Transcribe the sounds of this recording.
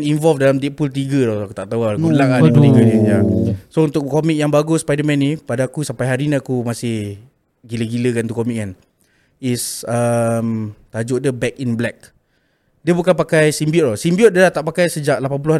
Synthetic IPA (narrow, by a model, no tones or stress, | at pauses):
ninvɔlfdalamt̪iʔ̚pult̪̬iɡədɔhakut̪aʔt̪awuaulaŋault̪iɡənijasount̪ʊʔkːomik̚jaŋbaɡʊspajdəmɛ̃nipadaakusampajɦaɾiniakumasɪh | ɡiləɡiləkanut̪ukomiʔk̚kan | isəmt̪ad͡ʒʊʔdəbɛkinblɛk̚ | diəbukanpakajsimbiɔt̪̚ɔsimbiɔt̚diəlaht̪aʔpakajsəd͡ʒaʔlapanp̬ulʊha